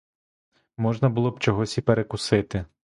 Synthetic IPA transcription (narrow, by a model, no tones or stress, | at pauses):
mɔʒnɐbʊlˠɔbt͡ʃɔɦɔsʲipeɾekʊsɪt̪ɪ